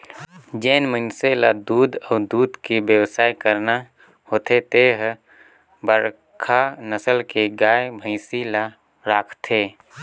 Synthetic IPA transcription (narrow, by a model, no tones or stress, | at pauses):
d͡ʒeːnmənselad̪uːd̪ɔːd̪uːd̪kibjəwsaːikəɾna | hoːt̪ʰet̪eɦ | bəɾ | kʰanəsəlkeɡaːebʱəɪsila | ɾaːkʰt̪ʰeː